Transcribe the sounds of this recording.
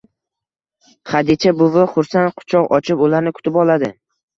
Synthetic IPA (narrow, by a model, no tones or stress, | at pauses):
χad̪it͡ʃʰabʊvaχʊɾsanqʰʊ̥t͡ʃʰɒqɒ̰t͡ʃʰɪpʊlaɾnɪkʰʊ̥t̪ʰɪpɒlˠad̪ɪ